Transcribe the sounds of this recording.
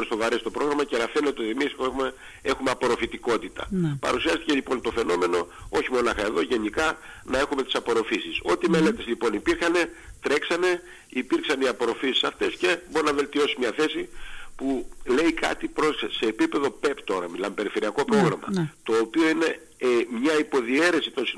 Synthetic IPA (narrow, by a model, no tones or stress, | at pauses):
oost̪o̞vɐɾest̪o̞pɾo̞ɣɾɐmɐcenɐfe̞net̪eo̞t̪imisme | e̞xumeɐpoɾo̞fit̪iko̞t̪it̪ɐ̰pɐ̰ɾusiɐst̪ice̞lipo̞nt̪o̞fe̞no̞me̞no̞o̞çimo̞nɐxɐe̞ðo̞ʝe̞nikɐnɐe̞xume̞t̪isɐpo̞ɾo̞fisiso̞t̪ime̞le̞t̪ezlipo̞nipiɾxɐne̞t̪ɾe̞ksɐne̞ | ipiɾksɐniɐpo̞ɾo̞fisi̥sɐft̪e̞sce̞boɾinɐve̞lt̪io̞simɲɐθe̞sipule̞ikɐ̰t̪ipɾose̞ːpipe̞ðo̞pe̞pt̪o̞ɾɐmilɐmepe̞ɾife̞ɾiɐko̞pɾo̞ɣɾɐmɐ̰t̪o̞ːpio̞ine̞ | mɲɐipo̞ðie̞ɾe̞sit̪o̞nsi